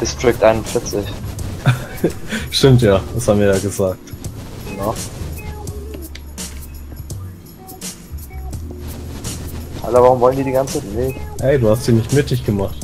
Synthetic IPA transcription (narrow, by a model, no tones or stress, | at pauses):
d̥ɪstʁ̥ɪk̚tʔaɪnʊnfɪɐt͡sɪç | ʃtɪmtjaːd̥ashaːbm̩viːɐjaːɡəzaːk̚tnɔχ | ʔa̰ləvaːʁʊmvɔləndiːdiːɡant͡st͡saɪtneːʔɛɪduːhastz̥iːnɪçtmɪt̚d̥ɪçɡ̥əmaχt